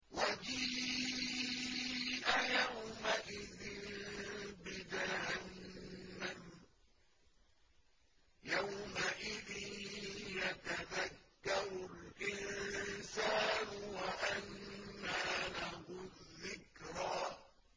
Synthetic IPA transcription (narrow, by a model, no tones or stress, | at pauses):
wad͡ʒiː | ʔajawmaʔɪðɪn | bɪd̪ahanː | am | jawmaʔɪðɪnjat̪aðakːɑɾʊlʔɪnsaːnʊwaʔanːaːlahʊðːɪkɾaː